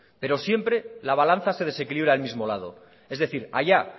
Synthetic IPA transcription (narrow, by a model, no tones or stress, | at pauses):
pe̞ɾo̞sje̞mpɾe̞laβalan̟θase̞ð̞e̞se̞kiliβ̞ɾaelmizmo̞lað̞o̞̰ | e̞zðe̞θiɾa̰ʝa